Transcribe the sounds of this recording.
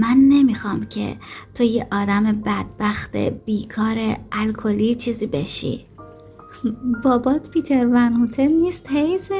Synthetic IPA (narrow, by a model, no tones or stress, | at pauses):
mænːe̞mixɒmcʰe̞̰t̪ʰojeʔɒːd̪æmebæd̪̥̚bæxt̪ʰḛb̥iːkʰɒːɾeælkʰo̞liːt͡ʃʰiːziːbe̞ʃḭː | bɒːbɒːt̪pʰit̪ʰe̞ɾvænhut̪ʰelniːst̪hejs